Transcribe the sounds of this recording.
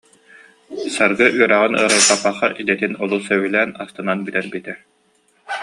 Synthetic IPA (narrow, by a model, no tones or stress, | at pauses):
saɾɡɯʔyœɾæʁɯnɯ̰ɐɾɯltapːaχaʔid̪ɛt̪inɔlˠusœwylæːnast̪ɯnanbit̪ɛɾbit̪ɛ